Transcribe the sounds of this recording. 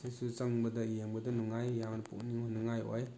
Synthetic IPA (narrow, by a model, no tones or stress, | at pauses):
isut͡ʃɐŋbɐdɐijeŋbɐdɐnuŋajjamnɐpṵkniŋɔnuŋajɔ̰j